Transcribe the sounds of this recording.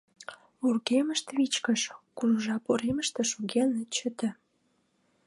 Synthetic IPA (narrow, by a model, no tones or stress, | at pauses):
urɣeməʃt̪βit͡ɕkəʃkuruʒɑpoɾeməʃt̪ĕʃuɣenət͡ɕə̆t̪ə̆